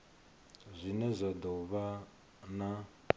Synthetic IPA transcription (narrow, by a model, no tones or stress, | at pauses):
zʷinɛzʷad̪ɔβa | na